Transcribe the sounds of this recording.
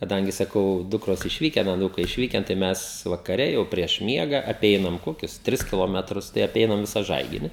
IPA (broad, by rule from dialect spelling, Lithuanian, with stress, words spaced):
kɐˈdɐŋʲɡʲɪ sɐˈkɐʊ ˈdʊkroːs ɪʃʲˈʋʲiːkʲɛn ɐˈnuːkɐɪ ɪʃʲˈʋʲiːkʲɛn tɐɪ ˈmʲɛs ʋɐkɐˈrʲɛ jɛʊ pʲrʲiɛʃ ˈmʲiɛɡɐ ɐˈpʲɛɪnɐm ˈkoːkʲʊs ˈtʲrʲɪs kʲɪlˠoːˈmʲæːtrʊs tɐɪ ɐˈpʲɛɪnɐm ˈʋʲɪsɑː ˈʒɐɪɡʲɪnʲɪ